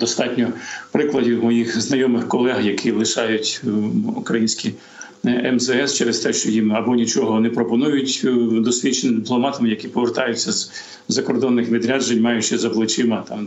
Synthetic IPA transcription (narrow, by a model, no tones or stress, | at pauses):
d̪ɔst̪ɑtʲnʲɔpɾɪklˠɐdʲiwmɔjixznɐjɔmɪxkɔlˠɛɦjɐkʰilˠɪʃɑjʊtʲukɾɐjinʲsʲkʲi | ɛmzɛɛst͡ʃɛɾest̪ɛʃt͡ʃɔjimɐbɔnʲit͡ʃɔɦɔnɛpɾɔpɔnujʊtʲd̪ɔsʲlʲit͡ʃnɪd̪ɪplˠɔmɑt̪ɐmɪjɐkʲipɔʋert̪ɑjʊt͡sʲːɐz | zɐkɔrd̪ɔnːɪxʋʲid̪ɾʲad͡ʒenʲmɑjʊt͡ʃɛzɐblˠɪt͡ʃɪmɐt̪ɑm